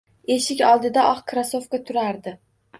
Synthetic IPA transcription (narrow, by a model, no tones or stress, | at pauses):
e̞ʃɪkʲɒlˠd̪ɪd̪aʔɒχkʰɾaso̞fkat̪ʰʊɾaɾd̪ɪ